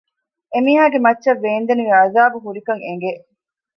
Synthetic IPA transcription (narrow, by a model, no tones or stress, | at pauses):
emiːɦaːɡemɐtːʃɐʋːeːnd̪eniʋeɐzaːbuɦuɾikɐŋeŋ̆ɡe